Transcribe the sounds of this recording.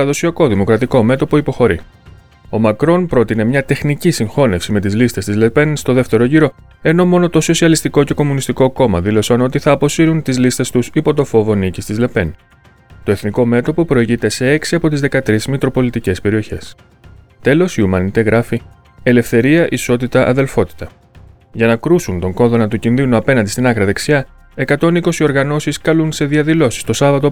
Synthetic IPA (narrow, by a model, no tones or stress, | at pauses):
ɐðo̞siɐko̞ðimo̞kɾɐt̪iko̞me̞t̪o̞po̞ipo̞xo̞ɾḭ | o̞mɐkɾo̞npɾo̞t̪ine̞mɲɐt̪e̞xnicisiŋxo̞ne̞fsime̞t̪izlist̪e̞st̪izle̞pe̞nst̪o̞ðe̞ft̪e̞ɾo̞ʝiɾo̞ | e̞no̞mo̞no̞t̪o̞so̞siɐlist̪iko̞ce̞ko̞munist̪iko̞ko̞mɐðilo̞sɐno̞t̪iθɐːpo̞siɾunt̪izlist̪e̞st̪usipo̞t̪̬o̞fo̞vo̞nicist̪izle̞pe̞n | t̪o̞e̞θniko̞me̞t̪opo̞pɾo̞iʝit̪e̞se̞e̞ksiɐpo̞t̪izðe̞kɐt̪ɾiszmit̪ɾo̞po̞lit̪ice̞spe̞ɾio̞çe̞̰s | t̪e̞lo̞siumɐnit̪e̞ɣɾʔɐfi | e̞le̞fθe̞ɾiɐʔiso̞t̪it̪ɐʔɐ̰ðe̞lfo̞t̪i̥t̪ɐ | ʝɐnɐkɾusunt̪o̞ŋko̞ðo̞nɐt̪ucinðinuɐpe̞nɐ̃nd̪ist̪inɐɣɾɐðe̞ksiɐ | e̞kɐt̪o̞niko̞sio̞ɾɣɐno̞siskɐlunse̞ðiɐðilo̞si̥st̪o̞sɐvɐt̪o